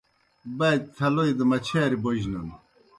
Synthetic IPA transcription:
bɐjd̪̚t̪ʰɐloid̪əmɐt͡ɕʰaːɾiboʑnɐn

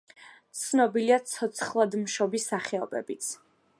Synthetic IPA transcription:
t̪sʰnɔbiliat̪sʰɔt̪sʰχlˠad̪mʃɔbisːaχɛɔbɛ̰bit̪sʰ

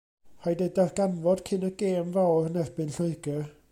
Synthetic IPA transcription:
hajdɛdarɡ̥anvɔd̥kʰɪnəɡ̥eːmvawrnɛrbɨnɬəɨɡə

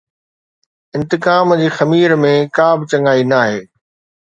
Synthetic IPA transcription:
ɪ̃nt̪ɪkaːmd͡ʑiːxɐmiːɾmẽkaːbɪt͡ɕɐ̃ŋaːinaːɦeː

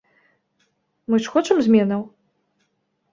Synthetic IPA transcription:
mɨʂxɔt͡ʂɐmzʲmʲɛnɐw

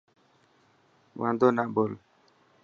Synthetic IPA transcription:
wã̰nd̪onaʔbol

